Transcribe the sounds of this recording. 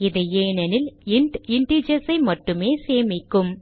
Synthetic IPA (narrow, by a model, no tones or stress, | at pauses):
ɪðɐeːnɐnɪlɪɳʈɪɳɖid͡ʒɐsɐɪmɐʈːɯmeːseːmɪkːɯm